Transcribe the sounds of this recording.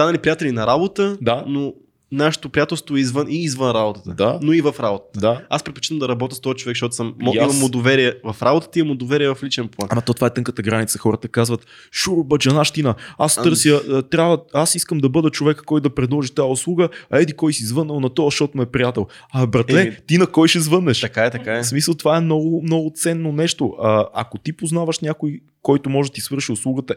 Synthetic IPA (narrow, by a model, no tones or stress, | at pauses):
st̪anɐlipɾijat̪ɛlinɐɾabot̪əd̪ano | naʃɛ̥t̪opɾijat̪ɛlˠst̪voɛizvənʔiːzvənɾabot̪ət̪əanoivɐfɾabot̪ə̥t̪əaa̰spɾɛt̪̚po̥t͡ʃit̪əmd̪ɐɾɐbɔt̪ʲəst̪ɔət͡ʃovɛkʃtɔt̪ʊ̥səmːɔiimɐmʊd̪ovɛɾiɛvɐfɾabot̪ə̥t̪əiɐmʊd̪ovɛɾiɛvɐflit͡ʃɛnplˠanɐmɐt̪ot̪vaɛt̪ɤŋkət̪əɡɾanit̪səxɔɾət̪əkazvət̪ | ʃuɾʊbɐd͡ʒɐnaʃt̪inəast̪ɤɾsjət̪ɾʲabvəasiskəmd̪ɐbɤd̪ət͡ʃovɛkkɔjd̪ɐpɾɛd̪lˠɔʒit̪ajəʊslˠuɡəɐɛd̪ikɔjsizvɤnːəlˠnɐt̪ɔʃɔt̪ʊmɛpɾijat̪ɛlˠ | ɐbɾɐt̪lɛt̪inɐkɔjʃɛzvɤnːɛʃt̪ɐkaɛt̪ɐkaɛsmisəlˠt̪ovaɛmnɔɡʊmnɔɡʊt̪sɛnːonɛʃt̪oʊʔɐɐ̰kot̪ipoznavəʃnʲakoj | kɔjt̪ʊmɔʒɛt̪isvɤɾʃiʊslˠuɡət̪ə